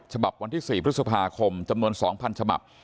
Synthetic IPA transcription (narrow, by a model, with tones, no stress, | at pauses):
t͡ɕʰa˧ba˨˩p̚wa˧nt̪iː˥˩siː˨˩pʰɾɯ˦˥sa˧pʰaː˧kʰo˧mt͡ɕa˧mnu˧ənsɔː˩˦ŋpʰa˧nt͡ɕʰa˧ba̰˨˩p̚